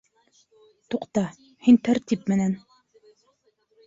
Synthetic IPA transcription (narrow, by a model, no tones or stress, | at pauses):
t̪uqt̪ɑ | hint̪æɾt̪ʲip̚mɘ̆næn